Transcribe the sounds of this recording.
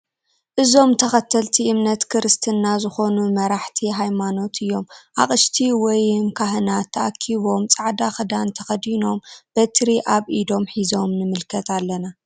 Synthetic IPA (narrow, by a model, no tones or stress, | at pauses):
ʔɨzo̞mt̪ʰɐxɐt̪ʰːɐlt̪ʰiʔɨmnɐt̪kʰɨɾɨst̪ʰɨnːazɨxo̞numɐɾaħt̪ʰiɦajmano̞t̪ɨjːo̞mʔa̰χʼɨʃt̪ʰiwɔjɨmkʰaɦɨnat̪ʰːɐʔakʰiβo̞mt͡sʼaʕd̪axɨd̪ant̪ʰɐxɐd̪ino̞mb̥ɐt̪ʰɾiʔaβʔid̪o̞mħizo̞mnɨmɨlkʰɐt̪alːɐna